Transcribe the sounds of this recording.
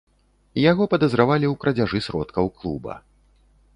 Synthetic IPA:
jaɣɔpɐd̪ɐzɾavalʲiwkɾɐd͡zʲaʐɨsɾɔt̪kɐwklˠṵbɐ̰

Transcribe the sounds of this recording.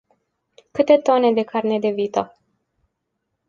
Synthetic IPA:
kɨt̪e̞t̪o̞ne̞d̪e̞karne̞d̪e̞viːt̪o

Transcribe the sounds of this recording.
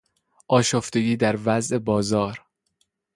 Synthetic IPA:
ʔɒːʃoft̪eɡiːd̪æɾvæzʔebɒːzɒːɾ

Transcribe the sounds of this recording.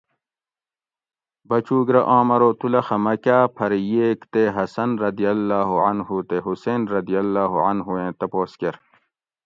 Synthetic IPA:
bɐt͡ɕuːɡɾɐʔɑ̃ːmɐɾoːt̪ulɐxɐmɐkaːpʰɐɾjeːkt̪eɦɐsɐnɾɐd̪ijɐlːaːɦuʕɐnhuːt̪eɦuseːnɾɐd̪ijɐlːaːɦuʕɐnɦuẽːt̪ɐpoːskeɾ

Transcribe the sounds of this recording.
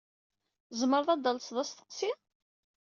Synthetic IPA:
zməɾðˤɑd̪ɑlsðˤæst̪ə̥qsi

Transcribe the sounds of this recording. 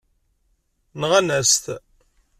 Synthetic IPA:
nəʁænæst̪

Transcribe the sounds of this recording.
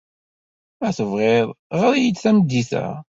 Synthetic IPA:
æθəvʁeðˤʁaɾijət͡sːθæməd̪ːiθæ̰

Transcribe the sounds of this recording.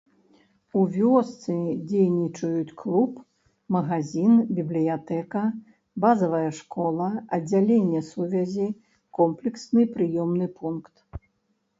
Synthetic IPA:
uvʲɔst̪sɨd͡zʲejnʲit͡ʂɐjut͡sʲklˠup | mɐɣazʲinbʲiblʲijat̪ɛkɐ | bazɐvɐjɐʂkɔlˠɐɐd͡zʲːalʲenʲːɛsuvʲɐzʲi | kɔmplʲɛksnɨpɾɨjɔmnɨpunkt̪

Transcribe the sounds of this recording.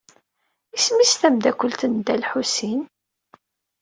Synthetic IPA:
ismist̪æmd̪ækʷːəlt̪ənd̪ælħusin

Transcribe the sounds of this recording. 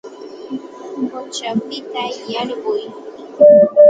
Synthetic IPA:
mʊt͡ʃawpɪt̪ajaɾɢʊj

